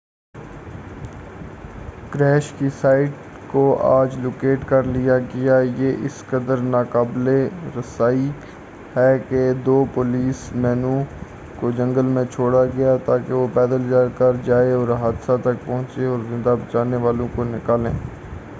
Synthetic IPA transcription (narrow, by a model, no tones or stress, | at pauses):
kɾɛːʃkisaːɪʈ | koa̰ːd͡ʒloːkeːʈkɐɾlijaɡɪjajeʔɪskəd̪əɾnaːkaːbleɾɐsaːi | hɛːked̪oːpʊliːsmɛːnũ | kod͡ʒɐ̃ŋɡəlmẽt͡ʃʰoːɽaɡɐjat̪aːkeʋopɛːd̪əld͡ʒaːkɐɾd͡ʒaːeɔːɾɦaːd̪sat̪ɐk̚pɐ̃ɦʊ̃t͡ʃeɔːɾzɪ̃nd̪abɐt͡ʃaːneʋaːlõkonɪkaːlḛ̃ː